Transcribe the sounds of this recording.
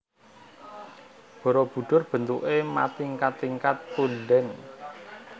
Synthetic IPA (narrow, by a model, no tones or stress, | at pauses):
b̥ɔ̤ɾɔb̥ṳɖ̥ʊ̤rb̥ə̤nt̪uʔema̰t̪iŋkat̪iŋkat̪̚punɖɛn